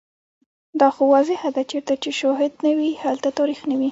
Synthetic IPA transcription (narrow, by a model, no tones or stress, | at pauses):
d̪ɑxowɑzɪhad̪at͡ʃeɾt̪at͡ʃeʃɑɦɪd̪nawihalt̪at̪ɑɾixnawi